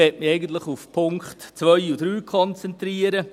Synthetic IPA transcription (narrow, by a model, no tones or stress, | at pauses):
ɛtmɪɛɪɡən̩tləχufpʰʊŋkχtt͡sʋœʏud̥ɾyːkʰɔnt͡sɛntɾiəɾə